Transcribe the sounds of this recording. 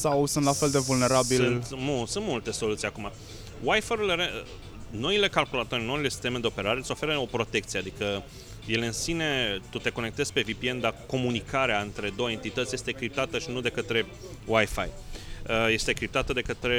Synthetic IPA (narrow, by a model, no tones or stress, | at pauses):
sawsunt̪lafe̞ld̪e̞vulne̞ɾabit̪musunt̪mult̪e̞so̞lut̪sijakuma | wajfaɾuleɾe | no̞ile̞kalkulat̪o̞rʲno̞ile̞si̥st̪e̞me̞d̪e̞o̞pe̞ɾaɾesʲo̞fe̞ɾəo̞pɾo̞t̪e̞kt̪sie̞ad̪ikə | je̞lɨnsine̞t̪ut̪e̞ko̞ne̞k̚t̪ezpe̞vipiend̪ako̞munikʰaɾeaɨnt̪ɾe̞d̪o̞we̞nt̪it̪ət̪sʲje̞st̪ekɾip̚t̪at̪əʃinud̪e̞kət̪ɾe̞ | wajfajəje̞st̪ekɾip̚t̪at̪əd̪e̞kət̪ɾe̞